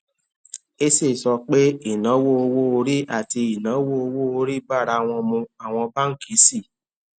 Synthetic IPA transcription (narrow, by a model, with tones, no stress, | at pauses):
e˦se˦˨sɔ˧k͡pe˦i˦˨nã˨˦wo˦o˧wo˦o˧ɾi˦ʔa˦˨ti˧i˨nã˨˦wo˦o˧wo˦o˧ɾi˦ba˦˨ɾa˧w̃ɔ̃˧mũ˧a˦˨w̃ɔ̃˧ba˦ŋ̩˦˨ki˨˦si˦˨